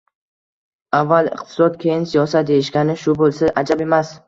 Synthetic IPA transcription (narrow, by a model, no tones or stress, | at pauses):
avːalˠɪ̰qt̪ʰɪ̥sɒt̪kʲʰe̞jɪnsijɒsat̪̚d̪e̞jɪʃɡʲanɪʃʊbolˠsaʔad͡ʒabe̞mas